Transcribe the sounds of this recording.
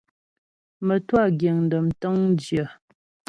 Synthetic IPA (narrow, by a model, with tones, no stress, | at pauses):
mə˨twa˦˨ɡje˨ŋn̩˨də˨mtə˦ŋn˦d͡ʒjə˨